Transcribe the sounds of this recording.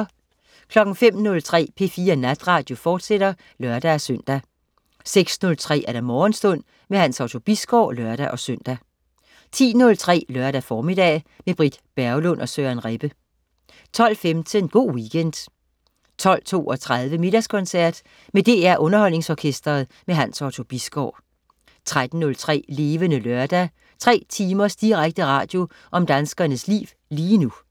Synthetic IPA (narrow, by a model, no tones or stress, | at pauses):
kʰlɒ̽ɡ̥n̩fem̰nɔ̽lt͡sʰʁɛ̰ːpʰe̝fiːɐnæd̥ʁɑ̈ːd̥jo̝fɒːd̥seɾ̥ɐ | lɶɐd̥ææɐsøn̰d̥æ | seɡ̥snɔ̽lt͡sʰʁɛ̰ːæɐɾ̥æmɒːnsd̥ɔ̽n̰ | meɦænsɑ̈ʊt͡sʰo̝b̥isɡ̥ɒ̰ːlɶɐɾ̥æʔɒ̽søn̰d̥æ | t͡sʰḭːnɔ̽lt͡sʰʁɛ̰ːlœɐɾ̥æfɒːmid̥ɛ̰ːmeb̥ʁid̥b̥æɐʊlɔ̽nʔɒ̽sønʁɛb̥ə | t͡sʰɒ̽l̰femt͡sʰenɡ̥o̝̰ːʋiɡ̥en̰d̥ | t͡sʰɒ̽l̰t͡sʰo̝̰ːɒ̽t͡sʰʁað̞ˠʋəme̝d̥æskʰɒ̽nsæɐ̰d̥ | med̥e̝ːæɐ̰ʔɔ̽nɐɦɒ̽l̰ne̝ŋsɒːkʰesd̥ɐð̩ˠ | meɦænsɒt͡sʰo̝b̥isɡ̥ɒ̰ʊ̰ | t͡sʰʁad̥n̩ːɔ̽lt͡sʰʁɛ̰ːle̝ːʋənəlœɐd̥æ | t͡sʰʁɛ̰ːt͡sʰiːmɐsd̥iʁaɡ̥̚d̥əʁɑ̈ːd̥jo̝ | ʔɒ̽md̥ænsɡ̥ɐnəslḭːʋ | liːnu